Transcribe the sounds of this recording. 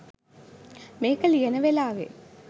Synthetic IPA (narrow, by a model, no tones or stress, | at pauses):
meːkɐlijɐnəʋelaːʋḛ